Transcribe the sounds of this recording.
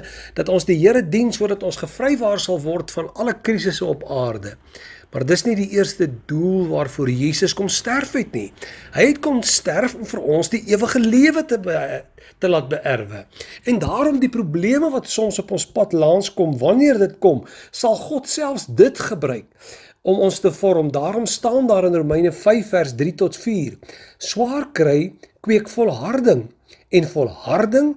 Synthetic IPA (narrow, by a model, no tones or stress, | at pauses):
d̥ɐtɔnsdiɦiəɾədinsuəɾdɐtɔnsχəfrəjvɑːrsɐlˠvɔrtfɐnɐləkris̬əsəɔpɑːrdə | mɐrdəsnidiʔiərstədulˠvɑːrfuərjiːsəskɔmstærfɛtniɦəjɦɛtkɔnstærfɔmfərɔnsdiʔiəvəχəliəvətə | təlɑːt̚bəʔærvəɛndɑːɾɔmdiprubliəməvɐtsɔmsɔpɔnspɐtlɑːnskɔmvɐniərdətkɔmsɐlˠχɔtsælˠfsdətχəbrœɥk̚ | ɔmɔnstəfɔɾɔmdɑːɾɔmstɑːndɑːɾənrumɛjnəfɛjfːærsdritɔtfiːrswɑːrkrɛjkwiəkfɔlˠɦɐrdəŋ | ɛnfɔlˠhɐrdəŋ